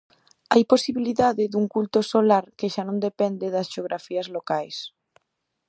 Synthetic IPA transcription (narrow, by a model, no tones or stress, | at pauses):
ajposiβiliðaðɪðuŋkult̪osolaɾkeʃanõnd̪epɛnd̪ɪðɐsʃeoɣɾʔafiɐzlokajs